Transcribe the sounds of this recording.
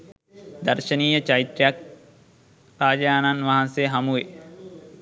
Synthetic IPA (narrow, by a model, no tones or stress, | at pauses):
d̪ɐrʃəniːjət͡ʃait̪ɾijak̚ | raːd͡ʒaːnanʋaɦanseɦamuʋe